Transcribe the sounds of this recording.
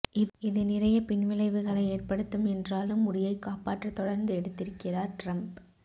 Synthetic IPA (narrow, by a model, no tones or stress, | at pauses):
ʔɪɪðɯnɪrɐjɐpɪnʋɪlɐɪʋɯɣɐɭɐɪeːrpɐɽɯt̪ːɯmɛndraːlɯmːʊɽɪjɐɪkːaːpaːʈrɐt̪ːɔɽɐɾnd̪ɯɛɽɯt̪ːɪɾɯkːɪraːɾʈrɐmp